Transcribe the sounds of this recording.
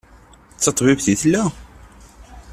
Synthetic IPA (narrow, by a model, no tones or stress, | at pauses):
t͡sːɑt̪ˤvifθiθlːæ